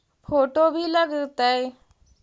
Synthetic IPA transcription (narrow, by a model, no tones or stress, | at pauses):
pʰoːʈobʱiləɡt̪ae